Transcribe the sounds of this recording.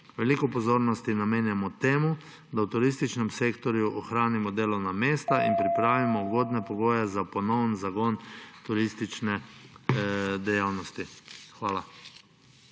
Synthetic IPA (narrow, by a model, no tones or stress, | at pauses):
ʋɛlikɔpɔzoːɾnɔst̪inameːnjamɔt̪eːmu | d̪awt̪uɾist̪it͡ʃnɛmseːkt̪ɔɾjuʔɔxɾaːnimɔd̪eːlɔwnameːst̪aʔḭnpɾipɾaːʋimɔuɡoːd̪nɛpɔɡoːjɛzapɔnɔwnzaɡɔnt̪uɾist̪it͡ʃnɛ | d̪ɛjawnɔst̪ixʋaːla